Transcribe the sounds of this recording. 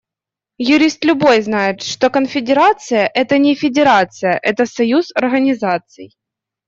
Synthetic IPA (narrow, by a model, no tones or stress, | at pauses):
jʊɾʲist̪lʲʊbo̞jznajɪt̪ʂt̪okənfʲɪdʲɪɾat̪sɨjəʔɛt̪ənʲɪfʲɪdʲɪɾat̪sɨjəʔɛt̪əsɐjuzɐrɣənʲɪzat̪sɨ̰j